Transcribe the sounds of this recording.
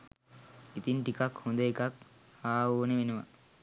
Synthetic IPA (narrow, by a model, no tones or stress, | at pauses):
it̪inʈikakhund̪əekak | aːoːneʋenəʋa̰